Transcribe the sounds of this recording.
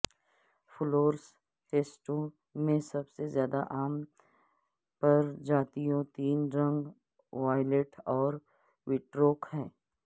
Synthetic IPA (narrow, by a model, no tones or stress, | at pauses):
fʊloːɾs | ʈeːsʈõ | mẽsɐbsezjaːd̪aʔaːm | pɐɾd͡ʒaːt̪iõt̪iːnɾɐ̃ŋɡ | ʋaːɪleʈɔːɾ | ʋɪʈɾoːkɦɛ̃ː